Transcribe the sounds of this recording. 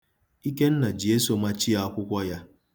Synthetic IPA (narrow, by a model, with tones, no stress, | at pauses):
i˦ke˦n̩˦na˨d͡ʒe˦so˨ma˦t͡ʃi˦a˦a˦kʷʊ˦kʷɔ˦ja˦